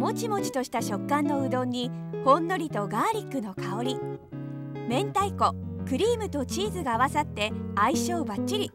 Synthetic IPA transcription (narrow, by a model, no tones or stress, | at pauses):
mo̞t͡ɕimo̞t͡ɕi̥t̪o̞ɕi̥t̪aɕo̞kːãnːo̞ɯ̟d̪õ̞ɲ̟ːi | hõ̞nːo̞ɾʲit̪o̞ɡaːɾʲikːɯ̟no̞kʰao̞ɾʲi | mẽ̞nt̪aiko̞kɯ̟ɾʲiːmɯ̟t̪o̞t͡ɕiːzɨɡaːβasat̪ːe̞aiɕo̞ːbat͡ɕt͡ɕːiɾʲi